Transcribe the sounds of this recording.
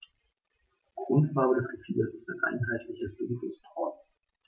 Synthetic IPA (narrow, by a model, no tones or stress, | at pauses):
ɡ̥ʁʊntfaːbədɛsɡ̥əfḭːdəsɪ̥staɪnʔa̰ɪnɦaɪtʰlɪçəsd̥ʊŋkəstʰɔːt